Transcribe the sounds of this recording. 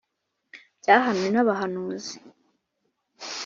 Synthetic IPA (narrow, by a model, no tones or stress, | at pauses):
bɟaːɦanuinaβaɦanuːzi